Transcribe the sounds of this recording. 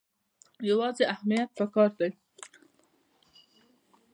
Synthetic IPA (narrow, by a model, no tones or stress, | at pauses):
jawɑzeahmijat̪̚pəkɑɾd̪aj